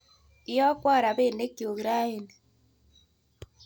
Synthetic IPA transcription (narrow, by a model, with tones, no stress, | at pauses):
ɪ˦jɔ˦kwa˦˨ɾa˨βe˦˨ne˦ki˨o˨ɣɾa˦e˨n